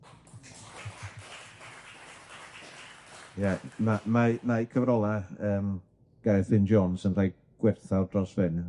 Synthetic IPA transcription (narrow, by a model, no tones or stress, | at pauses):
jɛnamanajkʰəvɾɔlˠaəːm | ɡ̥ɛɾɛθɪnd͡ʒɔnsənr̥aj | ɡ̥wɪrθadrɔsvɪn